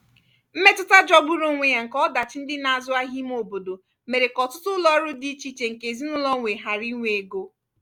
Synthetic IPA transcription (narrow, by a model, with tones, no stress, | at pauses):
m̩˦me˦tʊ˦ta˦d͡ʒɔ˦ɡ͡bu˦ɾu˦ŋʷe˦ja˨ŋ̩˨kɔ˦da˨t͡ʃɪ˦n̩˦dɪ˦na˨a˨zʊ˦a˦ɦi˦m˦o˨bo˨do˨ | me˨ɾe˨kɔ˨tʊ˦tʊ˦lɔ˦ɾʊ˦di˦t͡ʃi˦t͡ʃe˨ŋ̩˨ke˨zi˦nʊ˦lɔ˦ŋʷe˨ɦa˨ɾi˦ŋʷe˨e˨ɡo˦